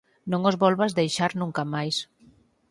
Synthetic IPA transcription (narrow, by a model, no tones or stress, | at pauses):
nõŋozβɔlβazðejʃaɾnũŋkamajs